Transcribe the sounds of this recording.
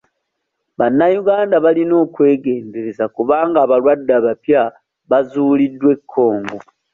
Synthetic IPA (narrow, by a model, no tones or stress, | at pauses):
βanːajuɡaːndaβalino̞ːkwe̞ːɡe̞ːmbeɾezakuβaːŋɡaːβalwadːaβapja | βazuːlidːwe̞kʰːo̞ːŋɡo